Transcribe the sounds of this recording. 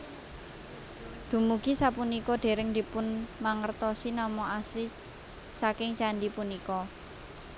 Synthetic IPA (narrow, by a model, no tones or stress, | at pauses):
d̪̥ṳmuɡ̥i̤sapunikɔɖ̪̥e̤ɾɪŋd̪ipʊnmaŋərt̪ɔsinɔmɔʔasli | sakɪŋt͡ʃanɖipunikɔ